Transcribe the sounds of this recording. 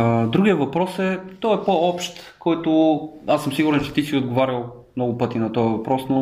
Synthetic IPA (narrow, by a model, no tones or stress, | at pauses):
əd̪ɾuɡijɐvɐpɾɔsɛt̪ɔɛpoɔpʃt̪kɔjt̪ʊasːəmsiɡuɾɛnt͡ʃɛ̥t̪isiod̪ɡovaɾʲɐlˠ | mnɔɡʊpɤt̪inɐt̪ɔjəvɐpɾɔsnɔ